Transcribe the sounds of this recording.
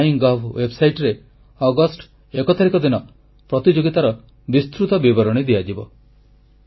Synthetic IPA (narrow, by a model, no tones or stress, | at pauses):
iŋɡɔbʰwebsajʈɾe | ɔɡɔsʈ | ekɔt̪ʰaɾikɔd̪inɔ | pɾɔt̪id͡ʒoɡit̪aɾɔ | bist̪ɾut̪ɔbibɔɾɔɽ̃id̪iad͡ʒibɔ